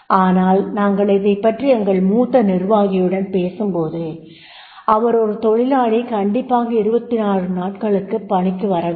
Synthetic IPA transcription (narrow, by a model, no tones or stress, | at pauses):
aːnaːlnaːŋɡɐɭɪðɐɪpːɐʈriɛŋɡɐɭmuːt̪ːɐnɪrʋaːɣɪjɯɽɐnpeːsɯmpoːðɯ | ʔɐʋɐɾɔɾɯt̪ɔɻɪlaːɻikɐɳɖɪpːaːɣɐɪɾɯbɐt̪ːɪnaːrɯnaːʈ̚kɐɭɯkːɯpːɐɳɪkːɯʋɐɾɐʋɯ